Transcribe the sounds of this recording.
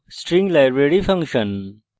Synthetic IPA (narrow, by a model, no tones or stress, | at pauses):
sʈɾĩŋɡlajɾʋeɽifʰɐ̃ŋkɕən